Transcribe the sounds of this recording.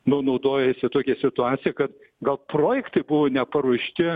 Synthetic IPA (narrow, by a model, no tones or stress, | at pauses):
nʊnɐʊd̪oːjɛsʲɪt̪oːkʲɛsʲɪt̪ʊɑːt̪sʲɪjɛkɐt̪ | ɡɐlˠproːjɛkt̪ɐɪbʊʋoːnʲɛpɐɾuːʃʲt̪ʲɪ